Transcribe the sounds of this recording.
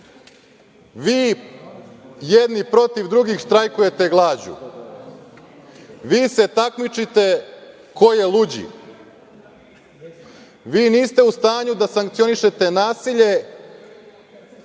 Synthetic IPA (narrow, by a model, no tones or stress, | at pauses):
ʋiː | jed̪nipɾo̞t̪iʋd̪ɾuɡixʃt̪ɾajkuje̞t̪e̞ɡlˠaːd͡ʑṵ | ʋiːse̞t̪akmit͡ʃit̪e̞ | kojelˠud͡ʑḭ | ʋiːniːst̪e̞ust̪aːɲud̪asaŋkt̪sio̞niʃe̞t̪e̞naːsiʎe̞